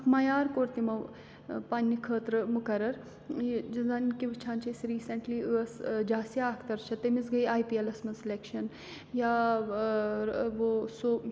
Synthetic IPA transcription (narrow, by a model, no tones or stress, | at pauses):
mɐjaːɾkoːɾt̪imɐʋ | panʲːikʰəːt̪ɾɨmukɐɾɐɾ | d͡ʒɐzɐnkiʋɨt͡ʃʰaːnt͡ʃɐsɾiːsɐɳʈliɐsd͡ʒaːsijaːkʰt̪ɐɾt͡ʃʰɐt̪emisɡɐjaːjpielɐsmɐnslekʃɐn | ja | ʋoso